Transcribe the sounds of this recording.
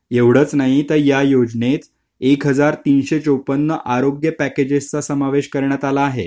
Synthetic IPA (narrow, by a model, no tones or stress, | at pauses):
eʋɽ̤ət͡snaɦit̪əɾjajod͡znet͡s | ekɦəd͡zaɾt̪iːnɕet͡sowpənːəʔaɾoɡjəpæked͡ʑest͡sasəmaʋeɕkəɾɳjat̪alaːɦe